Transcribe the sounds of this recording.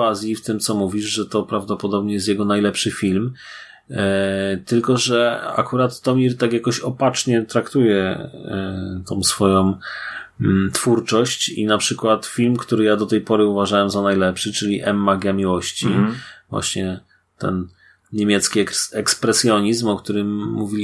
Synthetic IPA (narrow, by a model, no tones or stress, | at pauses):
azʲjift̪ɘmt̪sɔmuvʲiʐʐɛt̪ɔpɾavd̪ɔpɔd̪ɔbɲɛjɛst̪jɛɡɔnajlɛpʂɘfʲilm | t̪ɘlkɔʐɛa̰kuɾat̪ːɔmʲiɾt̪akjakɔɕɔpat͡ʂɲɛt̪ɾakt̪ujɛ | t̪ɔ̃w̃sfɔjɔ̃w̩ | t̪fuɾt͡ʂɔɕt͡ɕḭnapʂɘkwat̪fʲilmkt̪uɾɘjad̪ɔt̪ɛjpɔɾɘuvaʐawɛmzanajlɛpʂɘt͡ʂɘlʲiʔɛmːaɡʲjamʲiwɔɕt͡ɕivwa̰ɕɲɛ | t̪ɛ̰n | ɲemʲjɛt̪skʲiɛkspɾɛsjɔɲizmɔkt̪uɾɘmːuvʲilʲi